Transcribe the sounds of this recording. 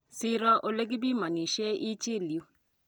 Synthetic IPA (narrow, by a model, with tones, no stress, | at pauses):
sɪ˦ɾɔ˦ʔo˨le˦ɡi˦bi˦ma˨ni˨ʃe˦ʔi˦t͡ʃe˦˨ljo˦